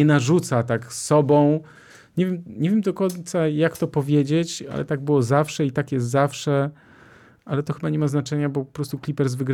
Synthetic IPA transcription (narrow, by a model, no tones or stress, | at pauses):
ɛnaʐut̪sat̪aksɔbɔ̃w̃ | ɲevʲjɛmɲevʲjɛmd̪ɔkɔɲt̪sajakt̪ɔpɔvʲjed͡ʑet͡ɕa̰lʔɛ̰t̪aɡ̚bɘwɔzafʂɛit̪akjɛst̪zafʂɛ | ʔalɛt̪ɔxɘbaɲɛmaznat͡ʂɛɲabɔpɔpɾɔst̪uklʲipɛɾzvɘɡɾ